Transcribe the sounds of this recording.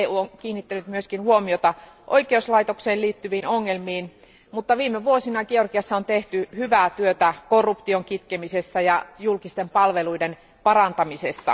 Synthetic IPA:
eːuːoŋkiːnːit̪ːænyt̪myøskinhuomiot̪ɑ | ʔojkˑeuslɑit̪okseːlliːt̪ːyʋiːnoŋːelmiːn | mut̪ːɑʋiːmeʋuosinɑkiorkiɑsːɑont̪eht̪yhyʋæt̪yøt̪ækorːupt̪ioŋkit̪kemisesːæjɑjulkist̪empɑlʋeluiden | pɑrɑnt̪ɑmisesːɑ̰

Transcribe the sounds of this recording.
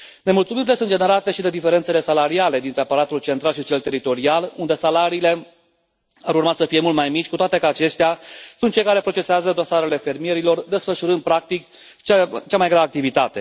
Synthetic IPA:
nemult̪suminilesunt̪d͡ʒene̞ɾat̪e̞ʃid̪e̞d̪ife̞ɾe̞nt̪se̞le̞salaɾiale̞d̪int̪ɾeapaɾat̪ult͡ʃe̞nt̪ɾalʃit͡ʃe̞lt̪e̞ɾit̪o̞ɾialund̪e̞salaɾiːle̞ | aɾurmat̪səfije̞mult̪majmit͡ʃʲkut̪oat̪e̞kəat͡ʃe̞st̪easunt̪̚t͡ʃe̞jkaɾe̞pɾo̞t͡ʃe̞seazəd̪o̞saɾe̞le̞fe̞ɾmije̞ɾilo̞rd̪e̞sfəʃuɾɨnd̪̚pɾak̚t̪ik | t͡ʃt͡ʃamajɡɾavəak̚t̪ivit̪at̪e̞

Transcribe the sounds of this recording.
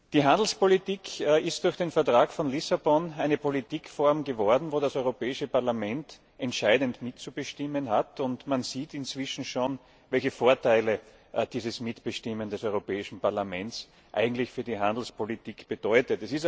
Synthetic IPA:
d̥iːɦãndl̩spolitiːkʰːɪst̚d̥ʊɐçd̥eːnfɛɐtʁ̥aːkfɔnlɪsabɔnæɪnəpolitiːkfɔɐmɡəvɔɐdn̩voːɾasɔʏʁopɛːɪʃəpaɐlamɛnt | ʔɛntʃaɪdəntmɪtt͡subəʃtɪmənɦatʊntmanziːtɪnt͡sv̥ɪʃn̩ʃoːn | vɛlçəfoːɐtaɪlə | d̥iːzəsmɪtb̥əʃtɪməndɛsɔʏʁopɛːɪʃn̩paɐlamɛnt͡s | ʔa̰ɪɡŋ̩tlɪçfyːɐdiɦãndl̩spolitiːkb̥əd̥ɔʏtətɛsɪs

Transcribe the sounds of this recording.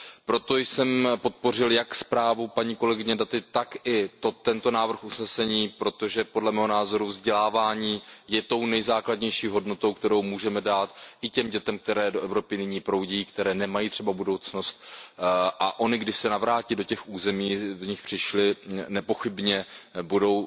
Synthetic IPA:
pɾo̞t̪o̞jsɛmpo̞t̪̚po̞r̝ɪljakspɾaːvupaɲiːko̞lɛɡɪɲɛdat̪ɪt̪akɪt̪ot̪ɛnt̪o̞naːvr̩xʔusnɛsɛɲiːpɾo̞t̪o̞ʒɛpodlɛmɛːɦonaːzo̞ɾuvzɟɛlaːvaːɲiːjɛt̪o̞wnɛjzaːkladɲɛjʃiːɦo̞dno̞t̪owkt̪ɛɾo̞wmuːʒɛmɛdaːt̪ʔɪcɛmɟɛt̪ɛmk̚t̪ɛɾɛːdo̞ʔɛvɾo̞pɪnɪɲiːpɾo̞wɟiːkt̪ɛɾɛːnɛmajiːt̪r̥ɛbabudo̞wt͡sno̞st̪̚ | ʔaʔo̞nɪɡdɪʃsɛnavɾaːciːdo̞cɛxʔuːzɛmiːvɲɪxpr̝̥ɪʃlɪnɛpo̞xɪbɲɛbudo̞w

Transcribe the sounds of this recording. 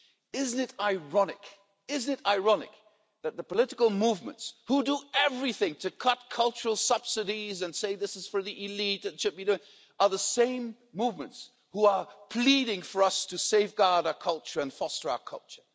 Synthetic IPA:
ɪz̃n̩ɨɾaɪɹɑnɪ̰k | ɪzn̩ɨɾaɪɹɑnɪ̰k̚ | ðɨt̪̚ðəpəlɪɾɨkəl̩ˠmuvmə̰̃ntshudəɛvɹiθɪ̃ŋtʰɨkʰʌt̚kʰʌlˠt͡ʃə˞l̩ˠsʌb̥sɨɾizɨ̃nseɪðɪsɨz̥fə˞ðiʔɪlit̪ðɨtʃɨd̚biduɪ̃ŋ | ə˞ðəsẽɪ̃mː | uvmə̃nts | huə˞pʰl̥iɾɪ̃ŋfə˞ʌstʰɨseɪvɡɑɹɾaʊəkʰʌlˠt͡ʃə˞ɨ̃nfɔstə˞a̰ʊə˞kʰʌ̰lˠt͡ʃə˞

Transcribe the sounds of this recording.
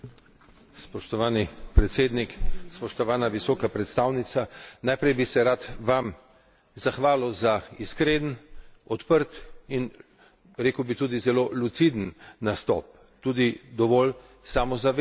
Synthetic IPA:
spɔʃt̪ɔʋaːnipɾɛt̪seːd̪nikspɔʃt̪ɔʋaːnaʋisɔːkapɾɛt̪st̪aːwnit̪sanajpɾɛjbisɛɾat̪ʋam | zaxʋaːləwzaiskɾeːd̪ənɔt̪pəɾt̪in | ɾeːkəwbit̪uːd̪izɛloːlut̪sid̪ənnast̪ɔ̰ːp̚ | t̪uːd̪id̪ɔʋɔl | saːmɔzaʋ

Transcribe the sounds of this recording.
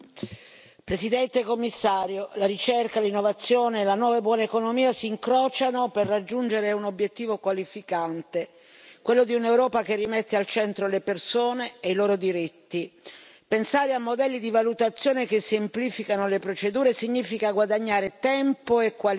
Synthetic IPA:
pɾesid̪ɛnt̪ekomːisːaːɾjolaɾit͡ʃerkalinːovat̪sːjoːneːlanwɔːvabwɔːnaekonomiːasiːŋkɾɔːt͡ʃanoperːad͡ʒːund͡ʒeɾeunobːjet̪ːiːvokwalifikant̪e | kwelːod̪iunewɾɔːpakerːimet̪ːealt͡ʃɛnt̪ɾolepersoːneːiloːɾod̪iɾit̪ːi | pensaːɾeamːod̪ɛlːid̪ivalut̪at̪sːjoːnekesempliːfikanolepɾot͡ʃed̪uːɾesiɲːiːfikaɡwad̪aɲːaːɾet̪ɛmpoekːwa

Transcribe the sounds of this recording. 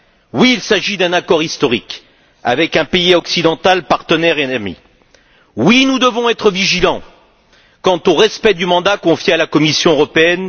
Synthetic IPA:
wiːlsaʒid̪ɛ̃nakɔʁist̪ɔʁik | a̰vɛkɛ̃peiɔksid̪ɑ̃t̪alpaʁt̪ənɛʁeɛmḭ | winud̪əvɔ̃ɛt̪χəviʒilɑ̃ | kɑ̃t̪oʁɛspɛd̪ymɑ̃d̪akɔ̃fjɛalakɔmisjɔ̃øʁɔpeɛn

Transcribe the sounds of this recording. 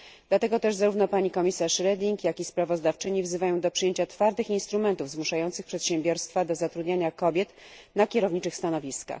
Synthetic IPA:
d̪̥lat̪ɛɡɔt̪ɛʐzaɾuvnɔpaɲikɔmʲisaʂɾɛd̪ʲiŋkjakʲispɾavɔzd̪aft͡ʂɘɲivzɘvajɔ̃w̃d̪ɔpʂɘjeɲt͡ɕat̪faɾd̪ɘxinst̪ɾumɛnt̪uvzmuʂajɔnt̪sɘxpʂɛt̪ɕɛ̃mbʲɔɾst̪fad̪ɔzat̪ɾud̪ɲaɲakɔbʲjɛt̪nakʲɛɾɔvɲit͡ʂɘxst̪anɔvʲiska̰x

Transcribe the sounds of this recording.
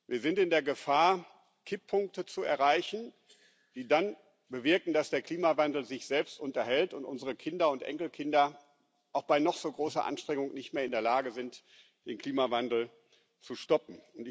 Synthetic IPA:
viːɐzɪntɪndeːɐɡəfaːɐ | kʰɪpʰːʊŋk̚tət͡suɛɐʁaɪçn̩ | d̥iːdan | bəvɪɐkn̩d̥asd̥eːɐkʰl̥iːmavandl̩zɪçz̥ɛlpstʔʊntɐhɛltʊntʔʊnzəʁəkʰɪndɐʊntʔɛ̰ŋkl̩kʰɪndɐ | ʔaʊxb̥aɪnɔχz̥oːɡʁoːsɐ̰ʔa̰nʃtʁ̥ɛŋʊŋnɪçtmeːɐɪndeːɐlaːɡəzɪnt | d̥eːnkl̥iːmavandl̩ | t͡suʃtɔpm̩ʊntɪ

